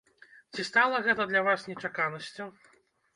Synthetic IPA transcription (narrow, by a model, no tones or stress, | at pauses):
t͡sʲist̪alˠɐɣɛt̪ɐd̪lʲavasnʲɛt͡ʂakanɐsʲt͡sʲu